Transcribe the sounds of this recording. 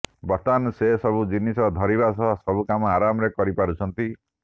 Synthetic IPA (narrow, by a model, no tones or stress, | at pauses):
bɔt̪ansesɔbud͡ʒinisɔd̪ʱɔɾibasɔsɔbukamɔaɾamɔɾekɔɾipaɾut͡ʃʰɔnt̪i